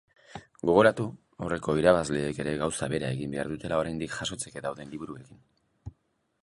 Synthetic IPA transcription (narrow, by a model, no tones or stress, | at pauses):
ɡo̞ɣ̞o̞ɾat̪u | ore̞ko̞iɾaβazle̞ːke̞ɾe̞ɣawsaβe̞ɾae̞ɣimbe̞aɾðut̪e̞lao̞ɾajnd̪ikʝaso̞t͡se̞ke̞d̪awðe̞nliβuɾue̞kin